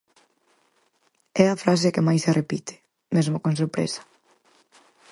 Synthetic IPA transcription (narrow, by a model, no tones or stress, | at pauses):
ɛafɾas̬ɪkɪmajserʔepit̪ʰɪ̥ | mezmʊkõns̬oɾpɾḛsɐ̥